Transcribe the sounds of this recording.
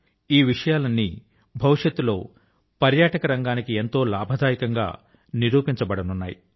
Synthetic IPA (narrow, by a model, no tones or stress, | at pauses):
iːʋiʂɐjaːlɐnːi | bʱɐʋiʂjɐt̪ːulo̞ː | pɐɾjaːʈɐkɐɾɐŋɡaːnikie̞nt̪o̞ːlaːbʱɐd̪ʱaːjikɐŋɡa̰ː | niɾuːpiɲt͡ʃɐbɐɽɐnunːaːjḭ